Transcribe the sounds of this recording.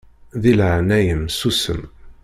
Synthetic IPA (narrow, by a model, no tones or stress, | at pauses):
ðilʕnæjəmsusə̰m